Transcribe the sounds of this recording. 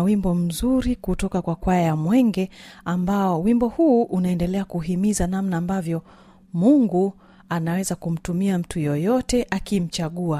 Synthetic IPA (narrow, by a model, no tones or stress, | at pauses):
wimbɔm̩zuɾikutɔkakwakwaajamwɛŋɡɛambaɔwimbɔhuːʔunaɛndɛlɛakuɦimizanamnaːmbavjɔ | muŋɡu | anawɛzakum̩tumiam̩tujɔjɔtɛʔakim̩t͡ʃaɠua